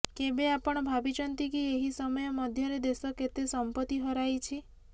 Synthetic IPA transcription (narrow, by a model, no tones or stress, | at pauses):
kebeapɔɽ̃ɔbʱabit͡ʃɔnt̪ikieɦisɔmɔjɔmɔd̪ʱjɔɾed̪esɔket̪esɔmpət̪iɦɔɾajt͡ʃʰi